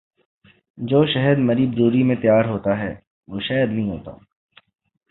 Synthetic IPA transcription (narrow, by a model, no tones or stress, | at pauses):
d͡ʒoːʃɐɦəd̪mɐɾiːbɾuːɾimẽt̪jaːɾɦoːt̪aɦɛ̰ː | ʋoːʃɐːjəd̪nɐɦĩɦo̰ːt̪a̰ː